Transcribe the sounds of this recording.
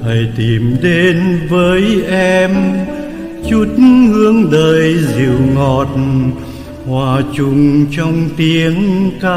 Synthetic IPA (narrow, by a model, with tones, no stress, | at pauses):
ʔə˨˩jt̪i˨˩mɗe˨˧nvəː˨˦jʔɛ˧m | t͡ɕu˦˥t̚hɨ˧əŋɗəː˨˩jzḭ˧˨əwŋɔ˨˩t̚ | hwaː˨˩t͡ɕʊ˨˩ŋ͡mt͡ɕɔ˧wŋ͡mt̪i˨˦əŋkaː˧